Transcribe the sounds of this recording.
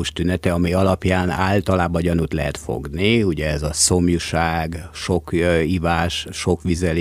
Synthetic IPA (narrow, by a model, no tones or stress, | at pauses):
uʃt̪ynɛt̪ɛɒmiɒlɒpjaːna̰ːlt̪ɒlaːbɒɟɒnut̪lɛ̰ɦɛt̪fo̰ɡniuɟɛɛzɒso̞mjuʃaːɡʃo̞kivaːʃʃo̞kʋizɛl